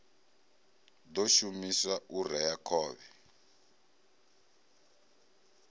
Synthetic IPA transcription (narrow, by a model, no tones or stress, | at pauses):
d̪oʃumiswaʔurɛjakʰɔːβɛ